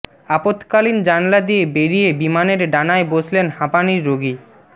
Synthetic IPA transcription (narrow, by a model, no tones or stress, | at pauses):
apot̪kalind͡ʑanlad̪iebeɾiebimaneɾɖanaebod͡ʑʱlenhapaniɾːoɡi